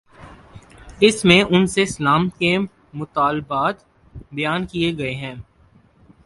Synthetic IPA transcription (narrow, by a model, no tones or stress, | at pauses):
ɪsmẽʔʊnsesəlaːmke | mʊt̪aːlbaːt̪ | bɐjaːnkieɡɐeɦɛ̃ː